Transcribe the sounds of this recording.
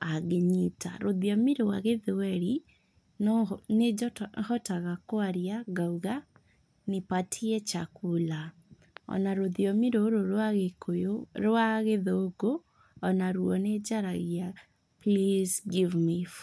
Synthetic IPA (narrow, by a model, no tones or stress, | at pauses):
aɣeɲita̰ɾoðiɔmiɾowaɣeðwɛɾi | nnehɔtaɣakwaɾjaɡauɣa | nepatʰiɛt͡ʃakula | ɔ̰naɾoðjɔmiɾoɾoɾwaɣekojoɾoaɣeðoːɡo | ɔnaɾuɔned͡ʒaɾaɣja | plisɡivmif